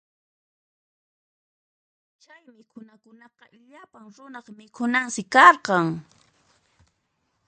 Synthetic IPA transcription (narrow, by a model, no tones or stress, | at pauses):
t͡ʃajmɪkʰʊnakʊnɑqɑ | ʎapaŋɾʊnɑχmɪkʰʊnaŋsɪkɑɾqɑŋ